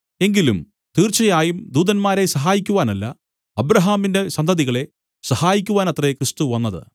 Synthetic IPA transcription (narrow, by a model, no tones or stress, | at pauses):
e̞ŋɡilum | t̪iːrt͡ɕɐjaːjumd̪uːðɐnmaːɾe̞sɐɦaːjikʲːuʋaːnɐlːɐ̰ | ɐbɾɐɦaːminde̞sɐnd̪ʱɐðiɣɐɭe̞ | sɐhaːjikʲːuʋaːnɐt̪rekrɨst̪uʋɐnːɐðɨ̰